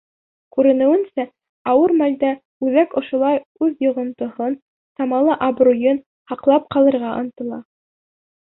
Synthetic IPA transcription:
kʉɾɘ̆nɘ̆wɘ̆nsæ | ɑwɤɾmæld̪æ | ʉðækŏʃŏlˠɑjʉðjŏʁŏnt̪ŏhon | sɑmɑlˠɤʔɑbɾujɤn | hɑqlˠɑp̚qɑlˠɤ̆ɾʁɑʔɑnt̪ɤ̆lˠɑ

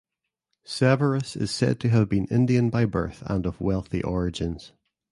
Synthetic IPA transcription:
sɛvə˞əsɪ̰z̥sɛ̰d̚tʰəːvbĩnɪ̰̃ndiə̃nbaɪbɜ̰˞θə̰̃nəvwɛlˠθḭʔɔɹɪd͡ʒɪ̃nz̥

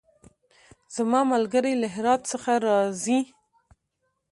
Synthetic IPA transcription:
z̥amɑmalɡəɾajlaɦɪɾɑd̪səxaɾɑzi

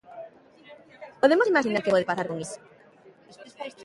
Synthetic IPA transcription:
poðemosimaʃinaɾkɪpoðepaθaɾkoŋiso̥

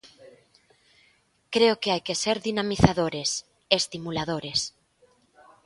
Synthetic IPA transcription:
kɾeokeajkeseɾðinamiθaðoɾes | est̪imulaðoɾes

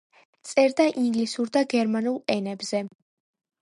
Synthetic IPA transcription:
t̪sʼɛɾd̪aʔiŋɡlisuɾd̪aɡɛɾmanulˠɛnɛbz̥ɛ

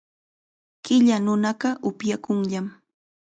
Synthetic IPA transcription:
kɪʎanʊnɑɢɑʔʊpjakʊŋʎam

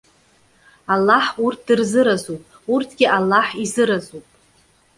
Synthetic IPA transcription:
alːaħurtʰdɨrzɨɾazupʼ | urtʰɡʲɪʔalːaħizɨɾazupʼ

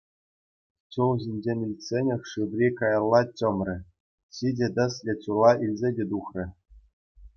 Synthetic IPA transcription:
t͡ɕulˠʑinʲd͡ʑenʲmʲilʲsʲenʲɘ̆xʲʂɯʋrʲikɑjɑlˠːɑt͡ɕɤ̆mrʲɘ̆ | ɕidʲĕd̪ɘ̆slʲĕt͡ɕulˠɑʔilʲzʲedʲet̪uxrʲɘ̆

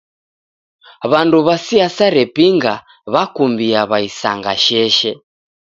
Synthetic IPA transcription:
βanduβasiasaɾɛpiŋɡa | βakumbiaβaisa̰ŋɡaʃɛʃɛ

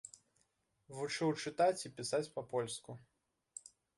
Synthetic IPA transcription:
vut͡ʂɨwt͡ʂɨt̪at͡sʲipʲisat͡sʲpɐpɔlʲsku

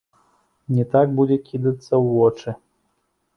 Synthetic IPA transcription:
nʲɛt̪aɡ̚bud͡zʲɛkʲʰid̪ɐt̪sːɐwːɔt͡ʂɨ

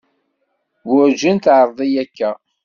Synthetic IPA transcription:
wʊɾd͡ʒənt̪ʕəɾˤðˤijækːæ

